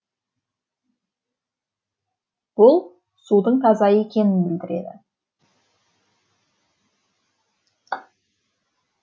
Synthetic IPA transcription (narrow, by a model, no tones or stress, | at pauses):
b̥ʊlˠ | sud̪əɴt̪ʰɑzɑjəekʲe̞nɪnbɪld̪ɪɾe̞̰d̪ɪ̰